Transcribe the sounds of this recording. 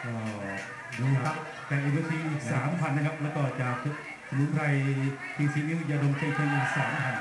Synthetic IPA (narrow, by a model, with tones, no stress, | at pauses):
ʔɔː˧˩˧ | duː˧˦a˦˥ | t̪ɛː˨˩ʔa˧bɯ˧˥t̪ʰiː˧ʔiː˨˩k̚saː˩˦mpʰa˧nːa˥kʰa˥p̚lɛː˦˥wkɔː˥˩t͡ɕa˨˩kʰɯ˧ | sʰa˧mnu˨˦˥pʰɾa˧j | p̪ʰiː˧siː˦˥niː˦˥˧ja˧do˧ŋka˧jkʰɯ˧ŋʔiː˨˩k̚saː˩˦mpʰa˧n